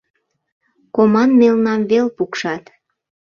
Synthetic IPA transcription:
komɑnmelnɑmβelpukʃɑt̪

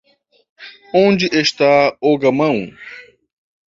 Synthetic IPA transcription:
õnd͡ʒɪʔeʃt̪aoɡɐmɐ̃w̃

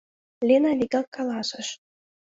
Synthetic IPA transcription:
lʲenɑlʲikɑkːɑlɑsə̆ʃ

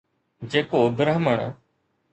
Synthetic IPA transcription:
d͡ʒeːkoːd̪ɾəɦməɳ̃

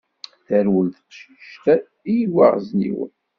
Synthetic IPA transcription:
θæɾwəlθəʃiʃt̪æ | ijwa̰ʁznḭwə̰n

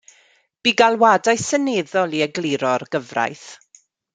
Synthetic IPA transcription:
b̥iːɡalˠwadajsəneðɔlˠiəɡlɪɾɔrɡ̥əvra̰jθ

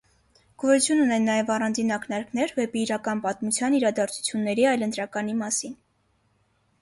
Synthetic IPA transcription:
ɡ̥ɔɾut͡sʰjununɛnːɑjɛvɑrɑnd͡zinɑknɑɾknɛɾvɛpiːɾɑkɑnpɑt̪mut͡sʰjɑniɾɑd̪ɑɾt͡sʰu̥t͡sʰjunːɛɾiɑjlənt̪ɾɑkɑnimɑsin

